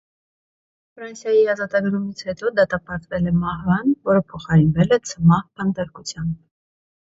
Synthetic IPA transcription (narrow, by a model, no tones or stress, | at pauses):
fɾɑnsjɑjiɑzɑt̪ɑɡɾumit͡sʰhɛt̪ɔd̪ɑt̪ɑpɑɾt̪vɛlɛmɑɦvɑnvɔɾəpʰɔχɑɾinvɛlɛt͡sʰəmɑhpʰənd̪ɑɾkut͡sʰjɑmb